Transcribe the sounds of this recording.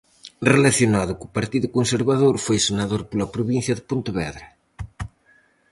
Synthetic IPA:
relaθjonaðʊkupɐɾt̪iðʊkonseɾβaðoɾfojsenaðoɾpolɐpɾoβin̟θjɐðɪpont̪ʊβɛðɾɐ

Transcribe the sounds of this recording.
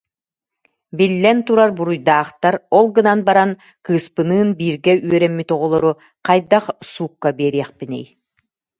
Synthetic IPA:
bilːɛnt̪uɾaɾbuɾujd̪aːχt̪aɾɔlˠɡɯnanbaɾan | kɯːspɯnɯːnbiːɾɡɛʔyœɾɛmːit̪ɔʁɔlˠɔɾu | qajd̪aqsuːkːabiːɾiɛχpinɛ̰j

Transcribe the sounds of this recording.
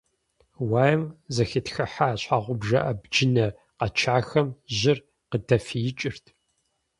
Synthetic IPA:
waːjɐmzɐxitxɐħaːɕʷħaːʁʷʊbʒɐ̰ʔɐbd͡ʒɪnɐ | qɐt͡ʃʰaːxɐmʑɪr | qədɐfijɪt͡ʃʼɪrtʰ

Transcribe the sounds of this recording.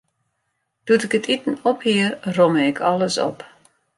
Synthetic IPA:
d̥utɪkətʰitən̩ɔphiəroməɪkʰɔlˠəsɔ̰p

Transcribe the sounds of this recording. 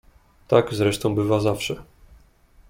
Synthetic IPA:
t̪aɡzɾɛʂt̪ɔ̃w̃bɘvazafʂɛ

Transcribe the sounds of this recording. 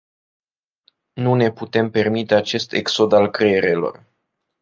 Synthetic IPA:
nune̞put̪e̞mpe̞rmit̪e̞at͡ʃe̞st̪e̞̰kso̞d̪alkɾeeɾelo̞̰r

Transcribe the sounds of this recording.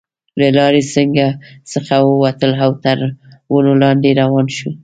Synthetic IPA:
lalɑɾesəŋɡasəxawəwat̪əlɦawt̪əɾwənolɑnd̪eɾawɑnʃu

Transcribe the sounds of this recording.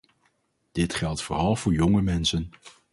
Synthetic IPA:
d̥ɪtχɛlˠtfʊːrɑlˠv̥ʊːɹjɔŋəmɛnsən

